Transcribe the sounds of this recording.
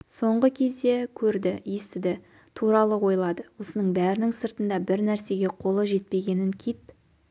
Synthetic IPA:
so̞ɴʁəkʲʰe̞zd̪e̞kʲʰɵɾd̪ɪjest̪ɪd̪ɪ | t̪ʰuɾɑlˠəwo̞jlˠɑd̪əwo̞sənəɴbæɾɪnɪŋsəɾt̪ənd̪ɑbɪɾnæɾse̞ɡʲe̞qʰo̞lˠəʒe̞t̪̚pe̞ɡʲe̞nɪŋkʲʰijt̪

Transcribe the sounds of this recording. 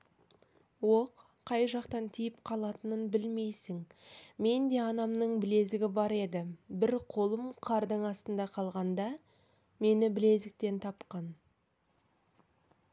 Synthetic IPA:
wo̞qʰː | ɑjʒɑqt̪ɑnt̪ʰijɪpqʰɑlˠɑt̪ənənbɪlme̞jsɪŋme̞nd̪e̞ɑnɑmnəɴbɪle̞zɪɡʲɪbɑɾe̞d̪ɪbɪɾqʰo̞lˠəmqʰɑɾd̪əɴɑst̪ənd̪ɑqʰɑlˠʁɑnd̪ɑ | me̞nɪbɪle̞zɪk̚t̪e̞nt̪ʰɑpqɑn

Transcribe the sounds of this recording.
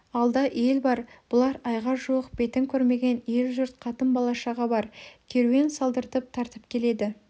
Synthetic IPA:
ɑlˠd̪ɑʔe̞lbɑɾb̥ʊlˠɑɾɑjʁɑʒuwəq̚be̞t̪ɪŋkʲʰɵɾme̞ɡʲe̞ne̞lʒʊɾt̪̚qʰɑt̪əmbɑlˠɑʃɑʁɑbɑɾkʲʰeɾe̞nsɑlˠd̪əɾt̪əp̚t̪ʰɑɾt̪əp̚kʲʰe̞le̞d̪ɪ

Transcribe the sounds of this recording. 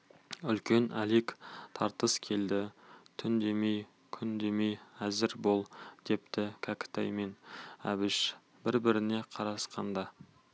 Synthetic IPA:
ʏlkʲe̞nʔælekt̪ʰɑɾt̪əskʲʰe̞ld̪ɪt̪ʰʏnd̪e̞mej | kʲʰʏnd̪e̞me̞jæzɪɾbo̞lˠd̪̥e̞pt̪ɪkʲʰakt̪ɑ̰jme̞næ̰bɪʃ | bɪɾbɪɾɪne̞qʰɑɾɑsqɑnd̪ɑ

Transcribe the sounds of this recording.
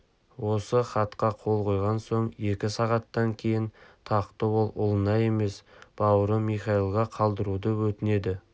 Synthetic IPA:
wo̞səχɑt̪qɑqʰo̞lˠqʰo̞jʁɑnso̞ɴje̞kʲɪsɑʁɑt̪ːɑŋkʲʰe̞jɪnt̪ʰɑqt̪əwo̞lˠʊ̰lˠənɑje̞me̞sb̥ɑwəɾəmiχɑilˠʁɑqʰɑlˠd̪əɾud̪əwɵt̪ɪne̞d̪ɪ

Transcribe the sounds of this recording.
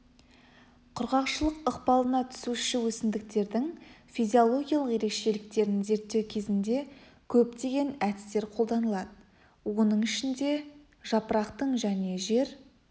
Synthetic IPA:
qʰʊɾʁɑqʃəlˠəqəqpɑlˠənɑt̪ʰʏ̥suʃɪwɵsɪmd̪ɪk̚t̪e̞ɾd̪ɪŋfijzʲiolˠo̞ɡʲijɑlˠəqje̞ɾe̞kʃe̞lɪk̚t̪e̞ɾnɪnze̞ɾt̪ːe̞wkʲʰe̞zɪnd̪e̞ | kʲʰɵp̚t̪e̞ɡʲe̞næd̪ɪ̥st̪e̞ɾqʰo̞lˠd̪ɑnəlˠɑd̪ə | wo̞nəɴɪʃɪnd̪e̞ | ʒɑpəɾɑqt̪əɴʒæne̞ʒe̞ɾ

